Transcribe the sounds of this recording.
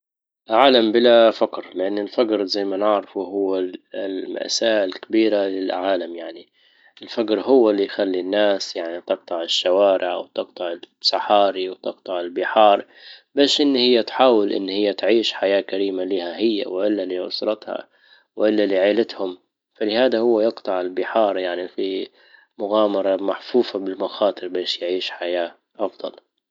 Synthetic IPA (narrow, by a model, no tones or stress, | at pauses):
lʕaːlambɪlafakɾlɪʔanːɪlfaɡɾzajmanɪʕɾɑfuɦʊwːalma̰ʔsaːʔɪlkabiːɾalɪlʕaːlamjaʕni | ɪlfaɡɾɦʊwːalːijxalːinːaːsjaʕnit̪ɨq̚t̪ˤɑʕɪʃːawaːɾʔɪʕʔa̰wt̪ɨq̚t̪ˤɑʕɪsɑħɑːɾiwt̪ɨqt̪ˤɑʕɪlbɪħɑːɾˤ | beːʃʔɪnːhɪjːat̪ħaːwɪlʔɪ̰nːhɪjːat̪ʕiːʃħajaːkaɾiːmalɪːhahɪjːa̰wɪʔɪlːaliʔʊ̰sɾˤɑt̪ha̰ | wʔɪlːaliʕaːlɪt̪hʊm | falɪhaːd̪ahʊwːajɪqt̪ˤɑʕɪlbɪħɑːɾˤjaʕnifi | mʊɣaːmɑɾˤɑmaħfuːfabɪlmaxɑːt̪ˤɨɾbeːʃjʕiːʃħajaː | ʔɑfd̪ˤɑ̰l